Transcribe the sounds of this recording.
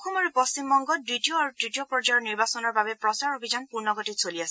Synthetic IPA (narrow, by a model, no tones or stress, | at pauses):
kʰumaɹupɔst͡ʃimbɔŋɡɔditioaɹutɹitiopɹɔd͡ʒajɔɹniɹbasɔnɔɹbabɛpɹɔsaɹobʱizanpuɹnɔɡɔtisoliasɛ